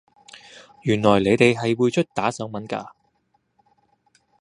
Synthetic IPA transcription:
jyː˨˩nlɔː˨˩jle˨˧jt̪e˨jɦɐ˨jwuː˨˧jt͡ʃʰɵ˥t̚t̪aː˨˥sœː˨˥ŋmɐ˨˥nka̰ː˧

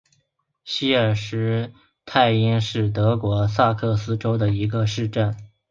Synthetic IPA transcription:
ɕi˥ə˞˥˨˩ʂɻ̩˧˥ | t̪ʰa˥˩ɪi˥nʂɻ̩˥˩t̪ɤ˧˥kwɔ˧˥sa˥˧kʰɤ˥˩sɹ̩˥ʈ͡ʂo˥ʊd̪ə˨i˧˥ɡə˧ʂɻ̩˥˧ʈ͡ʂə˥˩n

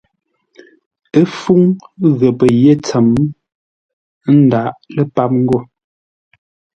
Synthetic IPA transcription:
e˦fu˦ŋɣə˨pə˨je˦˨t͡sə˨m | n̩˦da˨˦ʔlə˦pa˦p̚ŋ̩˦ɡɔ˦˨

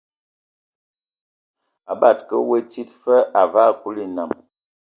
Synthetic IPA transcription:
a˨ba˦˨tkə̰˦wə˦t͡ʃi˦tfə˦a˨va˦˨ku˦li˦na̰˨m

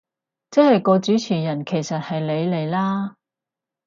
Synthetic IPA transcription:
t͡sɛː˥hɐ˨jkɔː˧t͡syː˨˥t͡sʰiː˨˩jɐ˨˩nkʰe˨˩jsɐ˨t̚hɐ˨jle˨˧jle˨˩jlaː˥

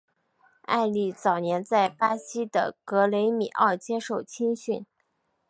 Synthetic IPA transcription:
a̰˥˧ɪli˥˩t͡sɑ˨˩ʊnjɛ˧˥nt͡sa˥˩ɪpa˥ɕi˥d̪ə̰˨kɤ˧˥le˧˥ɪmi˨˩ʔə̰˥˩t͡ɕjɛ˥ʂo˥˩ʊt͡ɕʰi˥ŋɕy˥˩n

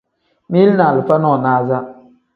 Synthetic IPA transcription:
mi˦lna˨lɨ˨fa˦nɔ˦˨naː˦za˦

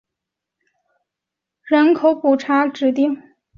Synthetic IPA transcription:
ɻə˧˥nkʰo˧˥ʊpu˨˩ʈ͡ʂʰa˧˥ʈ͡ʂɻ̩˨˧˥t̪̬i˥˩ŋ

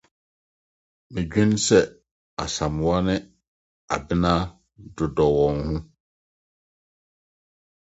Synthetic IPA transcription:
mɪ̃˨ɡᶣɪ̃˦n˦sɛ˨ | a̰˨sã˨m˨wa˦nɪ̃˦ | a˨bɪ˦nã˦ | dʊ˨dɔ˨wɔ̃˨nhũ˦

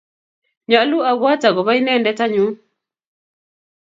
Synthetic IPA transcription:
ɲa˨˦lu˦a˨ɡwa˦ta˨ɣɔ˨βa˦i˦nɛ˦˨ndɛ˦ta˦ɲu˨˦

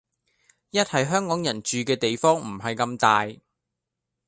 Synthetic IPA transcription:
jɐ˥t̚hɐ˨jɦœː˥ŋkɔː˨˥ŋjɐ˨˩nt͡ʃyː˨kɛː˧t̪e˨jfɔː˥ŋm̩˨˩hɐ˨jkɐ˧mt̪aː˨j

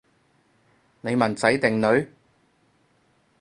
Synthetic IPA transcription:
ne˨˧jmɐ˨˩nt͡sɐ˨˥jt̪ɪ˨ŋnɵ˨˧ɥ

